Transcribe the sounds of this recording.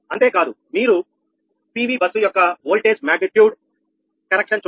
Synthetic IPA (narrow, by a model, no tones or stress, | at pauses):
ɐnt̪e̞ːkaːd̪u | miːɾu | piːʋiːbɐsujɔkːɐʋoːlʈeːd͡ʒmaːɡniʈ̪juːɖ | kɐɾekʂɐnt͡ʃ